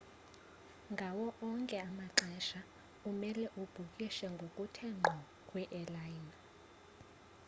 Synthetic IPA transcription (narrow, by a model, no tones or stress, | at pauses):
ŋɡʱawɔʔɔŋkʼɛamaǃɛʃa | umɛlɛʔub̥ʱukʼiʃɛŋɡʱokʼutʰɛŋ͡ǃʱɔ | kʼwɛʔɛlajna